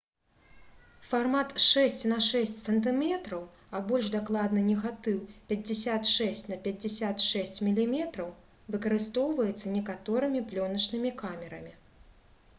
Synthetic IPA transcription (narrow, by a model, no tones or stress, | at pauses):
farmat̪ʂɛsʲt͡sʲnɐʂɛsʲt͡sʲsɐnt̪ɨmʲɛt̪ɾɐw | ɐbɔlʲʐd̪aklˠad̪nɨnʲɛɣat̪ɨwpʲɐd͡zʲːɪsʲat̪ʂɛsʲt͡sʲnɐpʲɐd͡zʲɪsʲat̪ʂɛsʲt͡sʲmʲilʲimʲɛt̪ɾɐw | vɨkɐɾɨst̪ɔwvɐjɛt̪sːɐnʲɛkat̪ɔɾɨmʲiplʲɔnɐt͡ʂnɨmʲikamʲɛɾɐ̰mʲi